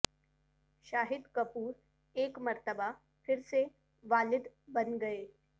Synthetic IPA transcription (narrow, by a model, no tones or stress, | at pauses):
ɕaɦid̪kəpuːɾ | ekməɾt̪əba | fiɾse | ʋalid̪bənɡəe